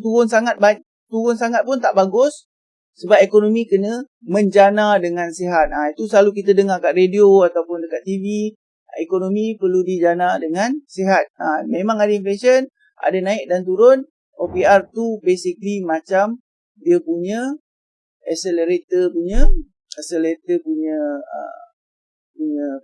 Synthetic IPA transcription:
t̪uɾʊnsaŋat̪̚ba | t̪uɾʊnsaŋat̪̚pʊnt̪aʔbaɡʊsː | əbap̚ekonomikənə | mə̃ɲd͡ʒanadəŋansiɦat̪̚ait̪usəlaluk̬it̪ədəŋakaʔredioat̪awpʊndəkat̪ːivi | ekonomipərludid͡ʒanadəŋansiɦat̪̚amemãŋadainflesən | ʔa̰danãɪk̚dant̪̬uɾʊn | ʔopiart̪ubesiklimat͡ʃam | diəpuɲə | ɛkseləɾet̪əpuɲə | ɛkselɾet̪əpuɲəə̰ | puɲə

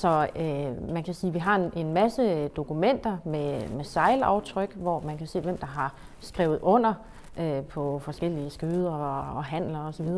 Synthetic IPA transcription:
sɒ̽ømænkʰæsiːʋiɦɑ̈ene̝nmæsəd̥o̝kumen̰d̥ɐmemesɑ̈ɪlɑ̈ʊt͡sʰʁœɡ̥ʋɒmænkʰæse̝̰ːʋem̰d̥ɑ̈ɦɑ̈ | sɡ̥ʁɛ̰ʊð̞̩ˠɔ̽n̰ɐ | ʔøpʰɒ̽fɒ̽sɡ̥el̰iəsɡ̥øːð̞ˠɐɒɦæn̰lɐɒsɒʋið̞ˠɐ

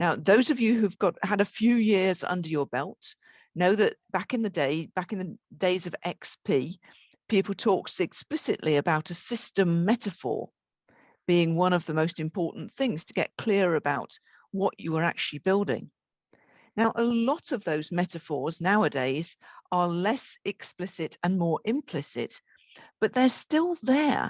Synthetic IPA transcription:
naʊðoʊzʌvjɨɦʉvɡɒthəɾɨfjʉːjɪɹzʌ̰̃ndə˞jə˞bɛlˠt | noʊðɨʔ̚b̥akɨ̃nðɨdeɪb̥akɨ̃nðɨdeɪzʌvɛkspʰi | pʰipl̩ˠtʰɔˑksɨksplɪsɪʔliɨbaʊɾɨsɪstə̃mːɛɾɨfɔ̰ɹ | b̥iɪ̃ŋwʌ̃ñʌvðəmoʊstɨ̃mpʰɔɹʔn̩θɪ̃ŋz̥tʰəɡɛ̰ʔ̚kʰl̥ɪəɹəbaʊt | wʌt͡ʃəwə˞a̰k̚t͡ʃʉl̩ˠibɪlˠdɪ̰̃ŋ | naʊʔəlɒɾʌvðoʊzmɛtɨfɔɹznaʊədeɪz̥ʔə˞lɛsɛksplɪsɪtə̃nmɔɹʔɪ̃mpʰl̥ɪsɪ̰t̚ | b̥ʌʔ̪̚ðə˞stɪlˠðə̰˞

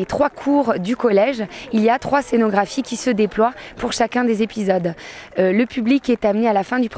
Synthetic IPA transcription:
et̪χwakʰuʁd̪ykɔlɛʒiliat̪χwasenɔɡʁafikʲisəd̪eplwapuʁʃakʲɛ̃d̪ezepizɔd̪ləpyblikɛt̪amnealafɛ̃d̪ypχ

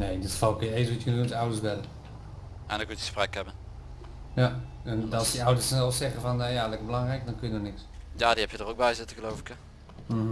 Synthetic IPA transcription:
neːdɪtfɔlˠkɪeːsʋɔtjənutawdəsdɛlə | ɛndɔkutəsprɛkɛbən | ja | nɔlˠsdiawdərsnɛlˠfsɛɣəfɔnajalɛkəbəlaŋrɛjkdɔnkøjənɔnɪksjaːdihɛpjədɔroɡ̚bɛjzɪtəɣəlowvɪkjə

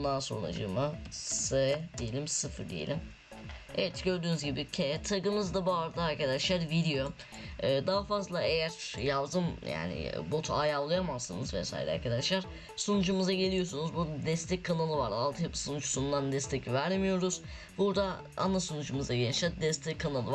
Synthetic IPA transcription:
ud̪anso̞̰nɾa̰d͡ʒɯ̰masɛd̪ijelʲimsɯfɯɾd̪ijḛlʲim | evɛt̪ɟø̞ɾd̪yːnyzɟibicʰɛt̪ʰaɡɯmɯzd̪abuaɾd̪aaɾkad̪aʃlˠaɾviɾijo̞ | ɯːd̪aɦafazlˠaejæɾ̥jad̪ɯmja̰ːnɪ̰bot̪ʰajalˠːɯjamasɯnɯzvɛ̰sa̰ːj̰lʲɛ̰a̰ɾkʰad̪aʃlˠaɾ̥ | sonud͡ʒumɯzaɟe̞lʲijo̞sunuzbud̪d̪ɛst̪ʰɛckʰːanalˠɯvaɾalˠt̪ʰɯjapɯ̥sonut͡ʃsund̪and̪ɛst̪ɛcivæɾlʲmijo̞ɾuz̥ | buɾd̪a | a̰nasonud͡ʒumɯzaɟelʲʃad̪ɛst̪ʰɛckʰːanalˠɯv

